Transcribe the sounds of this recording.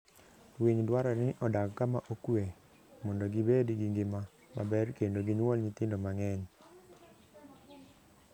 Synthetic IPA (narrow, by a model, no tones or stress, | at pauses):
wiɲdwaɾɔnɪʔɔdakkːamaʔokwe | mɔndɔɡibedɡiŋɡɪma | ma̰bɛrkendoɡiɲwɔlɲɪt̪ɪndomaŋɛɲ